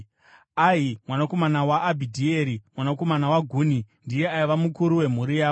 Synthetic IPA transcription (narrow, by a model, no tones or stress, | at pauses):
aɦimwanako̞manawaːbʱidʱieɾimwanako̞manawaɡʱuːnindije̞aiʋamukuɾuwe̞m̤uɾijaːo